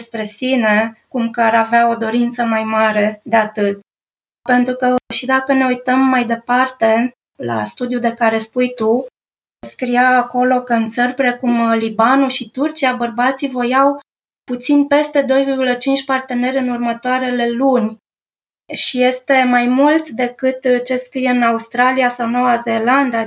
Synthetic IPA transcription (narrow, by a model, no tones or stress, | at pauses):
spɾe̞sine̞kumkaɾaveao̞d̪o̞ɾint̪səmajmaɾe̞d̪e̞at̪ɨt̪̚ | pe̞nt̪ɾukəʃid̪akəne̞ujt̪əmːajd̪e̞part̪e̞ | la̰st̪ud̪jud̪e̞kaɾe̞spujt̪u | skɾijaːko̞lo̞kəɨnt̪sərpɾe̞kumlibanuʃit̪urt͡ʃiabərbat̪sivo̞jaw | put̪sinpe̞st̪e̞d̪o̞jvirɡulət͡ʃint͡ʃʲpart̪e̞ne̞ɾʲɨnurmət̪oaɾe̞le̞lunʲ | ʃije̞st̪e̞majmult̪d̪e̞kɨt̪t͡ʃe̞skɾijeɨnaust̪ɾaliasawnowazeland̪a